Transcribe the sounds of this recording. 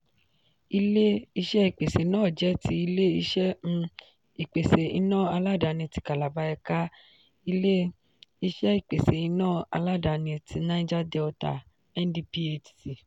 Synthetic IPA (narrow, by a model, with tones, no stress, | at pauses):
i˧le˦i˧ʃɛ˦i˦˨k͡pe˨se˨nãː˦˨d͡ʒɛ˦ti˧˦i˧le˦i˧ʃɛ˦˧ | i˨k͡pe˨se˨ḭ˧nãː˦˨a˧la˦˨da˨˧˨nĩ˧ti˧ka˨la˨ba˧ɛ˧ka˦ | i˧le˦ | i˧ʃɛ˦i˦˨k͡pe˨se˨i˧˦nãː˦˨a̰˧la˦˨da˧˨nĩ˧tʰi˧nã˦i˦d͡ʒa˦dɛ˧ɔ˧ta̰˧ | ɛ˦n˦di˧pi˦e˧˨t͡ʃi˨si˨